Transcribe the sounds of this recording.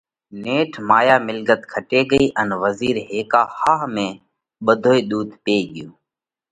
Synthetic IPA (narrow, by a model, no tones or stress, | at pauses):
neːʈʰmaːjaːmɪlɡət̪kʰəʈeːɠəiːʔənʋəziːɾɦeːkaːhaːɦmẽː | ɓəd̪ʱoːiːɗ̪uːd̪ʱpeːɠɪjoː